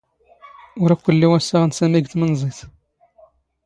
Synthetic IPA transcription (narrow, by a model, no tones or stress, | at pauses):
ʊɾækʷːəlːiwæsæʁənsæmiɡt̪mənzˤiθ